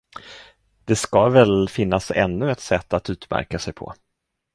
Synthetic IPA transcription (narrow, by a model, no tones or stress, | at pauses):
d̪̥ɛskavɛlfɪnːasɛ̰nːɵɛt̪sɛt̪ːat̪ʉ̟ːt̪mæ̰ɾkasɛjpʰɔ̰